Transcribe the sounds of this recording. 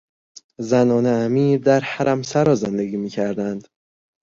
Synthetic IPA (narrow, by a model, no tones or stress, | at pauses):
zænɒːneæmiːɾd̪æɾhæɾʔæmsæɾɒːzend̪eɡiːmiːcʰæɾd̪ænd̪̥